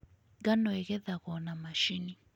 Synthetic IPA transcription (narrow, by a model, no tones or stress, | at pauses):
ɡanɔɛɣɛðaɣɔnamaʃini